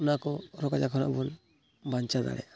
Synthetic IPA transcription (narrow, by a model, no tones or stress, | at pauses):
unakɔɾɔkad͡ʒakʰɔna̰ʔbɔn | baɲt͡ʃad̪a̰ɾɛ̰a